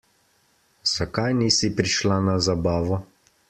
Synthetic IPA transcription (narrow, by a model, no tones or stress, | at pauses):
sakajnisipɾiʃlanazabaːʋɔ